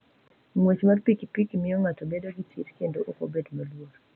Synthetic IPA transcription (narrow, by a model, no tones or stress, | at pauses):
ŋwet͡ʃmarpikipikimɪɔŋatɔbedoɡitʰiɾkendoʔoko̰bedmalwoɾ